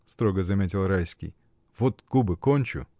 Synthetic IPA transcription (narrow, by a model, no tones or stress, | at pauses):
st̪ɾoɡəzɐmʲetʲɪlˠɾajsʲkʲḭj | vot̪ɡ̥ubɨkonʲt͡ɕʊ̰